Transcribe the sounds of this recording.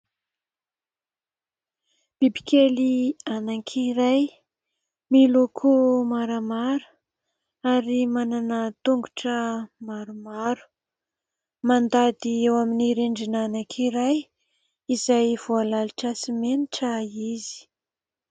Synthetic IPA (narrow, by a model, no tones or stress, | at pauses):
b̥ibi̥kelianakʰiɾaj | milukʰumaɾəmaɾu̥ | aɾimananət̪uŋɡuʈ͡ʂəmaɾumaɾu̥ | mand̪ad̪iewaminiɾeɳɖ͡ʐinanakʰiɾaj | izajv̥ualaliʈ͡ʂasimeniʈ͡ʂaizi̥